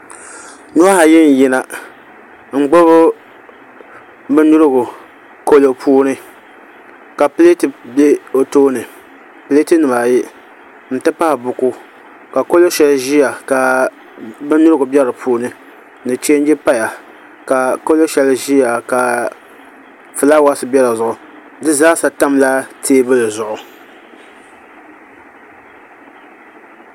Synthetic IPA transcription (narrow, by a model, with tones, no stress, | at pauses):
nu˦a˦ha˨jɪ˦n˨ji˦na˨ | ŋ͡m̩˨ɡ͡bo˦βʊ˦ | bɨ˦nu˦ɾɨ˦ɡʊ˨ | ko˦lo˨pʰuː˦nɨ˦ | ka˨pɨ˦le˦tɨ˨be˦o˨toː˦nɨ˨ | pɨ˦le˦tɨ˦nɨ˨ma˨ji˦ | n̩˨tɨ˦pa˦hɪ˨bʊ˨ku˦ | ka˨ko˦lo˦ʃɛ˦˨lʒi˦ja˨ka˨ | bɨ˦nʊ˦ɾɨ˦ɡʊ˨bɛ˦ɾɨ˨pʰuː˦nɨ˨ | nɨ˨t͡ʃe˦n˦d͡ʒɛ˦pa˦ja˨ | ka˨ko˦lo˦ʃɛ˦lʒi˦ja˨ka˨ | fɨ˨la˦wa˦sɨ˦bɛ˦la˨zʊ˨ʔʊ˨ | dɨ˦zaː˦sa˨ta˦mla˦tʰeː˦bɨ˦lɨ˨zʊ˨ʔʊ˨